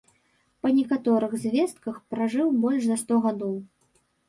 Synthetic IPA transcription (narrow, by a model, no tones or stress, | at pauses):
pɐnʲɛkat̪ɔɾɨɣzʲvʲɛst̪̚kɐxpɾaʐɨwbɔlʲʂzɐst̪ɔɣad̪ɔw